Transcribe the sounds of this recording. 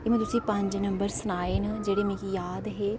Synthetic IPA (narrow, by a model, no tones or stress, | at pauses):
eːmɛ̃ːt̪ʊsĩːpə̃ɲd͡ʒnəmbəɾsʊnaːeːnad͡ʒeːɽeːmẽːkijaːd̪ɦeː